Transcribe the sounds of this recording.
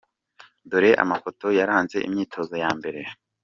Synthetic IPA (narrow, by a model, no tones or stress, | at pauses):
doɾe̞ʔa̰mafo̞to̞jaɾaːnze̞̰ʔḭmɲiːtʰo̞ːzojaːmbe̞ɾe̞